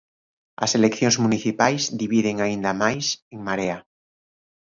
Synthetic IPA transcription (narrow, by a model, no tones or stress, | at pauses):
a̰selekθjonzmũniθipajzðiβiðe̞ŋaind̪amajseŋmaɾea